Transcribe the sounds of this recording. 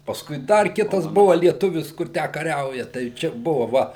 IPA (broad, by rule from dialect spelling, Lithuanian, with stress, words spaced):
pɐsˈkʊɪ ˈdɐr ˈkʲɪtɐs ˈbʊʋɐ lʲiɛˈtʊʋʲɪs ˈkʊr ˈtʲæː kɐˈrʲɛʊjɛ tɐɪ ˈt͡ʃʲɛ ˈbʊʋoː ˈʋɐ